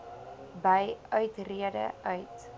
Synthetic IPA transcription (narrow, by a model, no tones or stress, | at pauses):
bəjœɥtriədə̰ʔœɥt